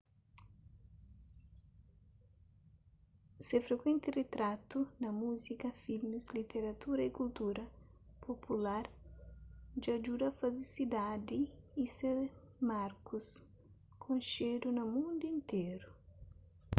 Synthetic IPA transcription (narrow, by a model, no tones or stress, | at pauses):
sefɾekwẽnt̪ɪret̪ɾat̪unɐmuzikɐfilmislit̪eɾat̪uɾɐikult̪uɾɐpʰopʰulaɾ | d͡ʒad͡ʒud̪ɐfazisid̪ad̪iːse | maɾkus | kʰõnʃeɾunɐmũnd̪uĩnt̪eɾʊ